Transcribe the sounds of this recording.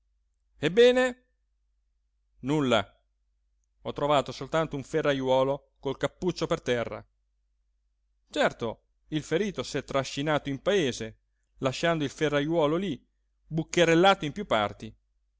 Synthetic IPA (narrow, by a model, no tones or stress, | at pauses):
ebːɛːne | nulːa̰ | ɔt̪ːɾovaːt̪osolt̪ant̪ouɱferːajwɔːlo | kolkapːut͡ʃːopert̪ɛrːa̰ | t͡ʃɛrt̪o | ilfeɾiːt̪osɛt̪ːɾaʃːinaːt̪oimpaeːze | laʃːand̪oilferːajwɔːloli | bukːeɾelːaːt̪oimpjupːa̰rt̪i